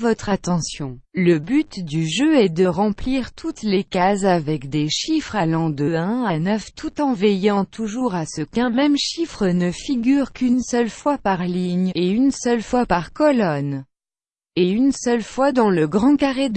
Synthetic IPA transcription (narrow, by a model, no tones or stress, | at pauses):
vɔt̪χat̪ɑ̃sjɔ̃ləbyt̪d̪yʒøɛd̪əʁɑ̃pliʁt̪ʰut̪lekazavɛkd̪eʃifχalɑ̃d̪əɛ̃anœft̪ʰut̪ɑ̃vɛjɑ̃t̪ʰuʒuʁasəkɛ̃mɛmʃifχənəfiɡʲyʁkynsœlfwapaʁliɲeynsœlfwapaʁkɔlɔn | eynsœlfwad̪ɑ̃ləɡʁɑ̃kaʁed̪